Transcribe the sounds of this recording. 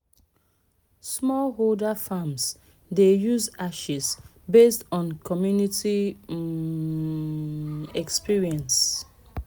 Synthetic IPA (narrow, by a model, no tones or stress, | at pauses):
smɔlɦoldafãms | dejuzaʃis | bestɔ̃nkʰɔmjuniti | ɛkspiɹiɛ̃ns